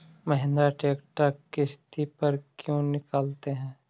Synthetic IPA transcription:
mɐɦɪ̃nd̪ɾaʈeːkʈakɪst̪ipɐɾkjõnɪkaːlt̪eɦɛ̃ː

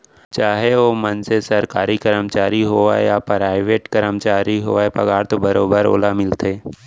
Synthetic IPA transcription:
t͡ʃaːɦeʋoːmənsesɐɾkaːɾikəɾəmt͡ʃaːɾiɦoːa̰japɾaːɪʋeːʈkəɾəmt͡ʃaːɾiɦoːaepɐɡaːɾt̪obɐɾoːbəɾo̰ːlamɪlt̪eː

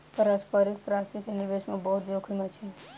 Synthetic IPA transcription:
pəɾaspəɾik̚pɾasit̪eniʋeʃmãbəɦut̪d͡ʒokʰɾimãt͡ʃʰe

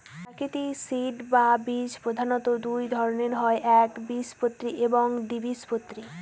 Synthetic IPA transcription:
aɾkit̪isiʈbabid͡ʑpɾod̪ʱanot̪od̪ujd̪ʱɔɾoneɾɦɔeʔɛkbispot̪ːɾiʔeboŋɖ̪ibispot̪ːɾi

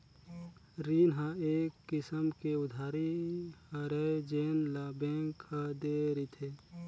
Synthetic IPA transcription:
ɾiːnɦaeːkːɪsəmkeʊd̪ʱaːɾihɐɾed͡ʒeːnlabẽːŋkhad̪eːɾit̪ʰeː

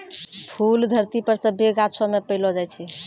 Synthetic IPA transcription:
pʰuld̪ʱəɾt̪ipəɾsə̃beɡat͡ʃʰɔmepəjlɔd͡ʒajt͡ʃʰɛ

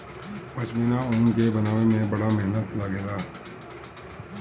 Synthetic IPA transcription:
pɐt͡ʃmiːnaʊnkebɐnaːʋemẽbɐɽameɦnət̪laɡeːɡaː

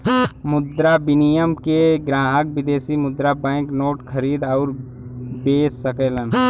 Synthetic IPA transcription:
mʊd̪ɾabɪnijəmkeɡɾaːɦək̚ʋɪd̪eːsimʊd̪ɾabɛ̃ːknoːʈkʰəɾiːd̪ɔːɾ | beːsːəkəːlən

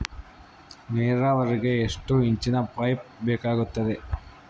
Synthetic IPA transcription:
neːɾɐʋɐɾiɡeːʂʈuiɲt͡ʃinɐpɐjp̚bɛːkaːɡut̪ːɐd̪e̞

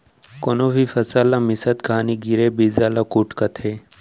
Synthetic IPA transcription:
konoːfifɐsaːlamisət̪̚kaːniɡiɾebiːzaːlakuʈkɐt̪ʰeː

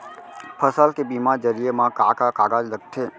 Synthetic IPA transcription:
pʰəsalkebimãd͡ʒəɾijemãkakaka̰ɡad͡ʒlək̚ʈʰe

